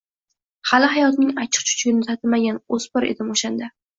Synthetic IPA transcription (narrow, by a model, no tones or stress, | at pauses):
halɪɦajɒt̪nɪŋat͡ʃʰɪ̥q̚t͡ʃʰʊ̥t͡ʃʰɡʲɪnɪsʰat̪ʰɪmaɡʲanospɒɾḛd̪ɪmoʃand̪a